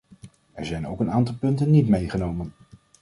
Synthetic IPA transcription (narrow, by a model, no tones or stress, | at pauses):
ʔɛ̰ɹzɛjnowkənaːntɑlˠpɵntənːitmejχənowmən